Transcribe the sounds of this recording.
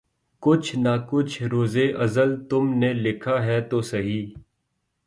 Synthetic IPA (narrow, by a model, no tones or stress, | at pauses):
kʊt͡ʃʰnaːkʊt͡ʃʰɾoːzeʔɐzəlt̪ʊmnelɪkʰaɦɛt̪oːsɐɦiː